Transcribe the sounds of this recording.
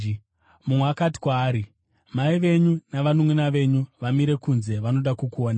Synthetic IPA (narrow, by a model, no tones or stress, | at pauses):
mumweakati̥kwaːɾi | maiʋe̞ɲunaʋanumwenaʋe̞ɲuʋamiɾe̞kunze̞ʋano̞ɗakukuoːna